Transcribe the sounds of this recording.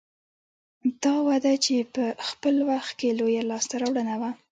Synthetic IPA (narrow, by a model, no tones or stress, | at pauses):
d̪ɑwad̪at͡ʃepəxpəlwaxt̪̚kelojalɑst̪aɾɑwɽənawa